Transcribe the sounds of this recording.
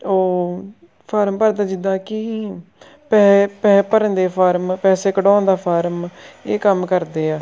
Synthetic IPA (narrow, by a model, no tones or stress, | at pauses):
oː | pʰaːɾmpəɾd̪aːd͡ʒɪd̪aːkɪ | pɛːpɛːpəɾə̃nd̪eːpʰaːɾmpɛːseːkəɖõːnd̪aːpʰaːɾmeːkəmkəɾd̪eːaː